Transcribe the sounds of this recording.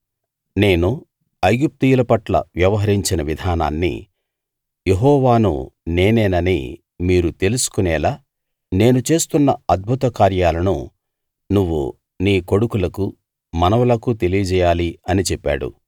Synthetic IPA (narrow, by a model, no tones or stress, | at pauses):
ne̞ːnu | ɐɡup̚t̪ijulɐpɐʈlɐ̰ʋjɐʋɐɦɐɾiɲt͡ʃinɐʋid̪ʱaːna̰ːnːḭ | je̞ɦɔːʋaːnṵne̞ːnɛːnɐnḭ | miːɾut̪e̞lusu̥kunɛːlaː | ne̞ːnut͡ʃe̞ːst̪unːɐɐd̪̚bʱut̪ɐkaːɾjaːlɐnṵ | nuʋːṵ | niːko̞ɽukulɐku | mɐnɐʋulɐkut̪e̞lijɐd͡ʒɛːjaːliɐnit͡ʃɛpːa̰ːɽṵ